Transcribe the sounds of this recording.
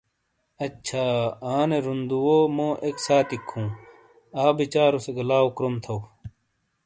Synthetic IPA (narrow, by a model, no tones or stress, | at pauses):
ɐtːɕʰaːaːneɾund̪uwoːmõːʔeksaːt̪ikʰːũː | aːbit͡ɕaːɾuseɡɐlaːokɾumt̪ʰɐw